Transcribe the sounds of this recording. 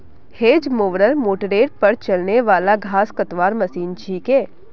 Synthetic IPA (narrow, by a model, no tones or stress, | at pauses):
heːd͡ʒmoːʋɾəɾmoːʈəɾeːɽpɐɾt͡ʃɐlneʋaːlaɡʱaːskət̪ʋaːɾmɐsiːnt͡ʃʰiːkeː